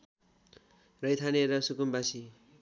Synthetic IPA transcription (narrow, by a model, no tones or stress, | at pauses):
rʌjt̪ʰaneɾʌsukumbasi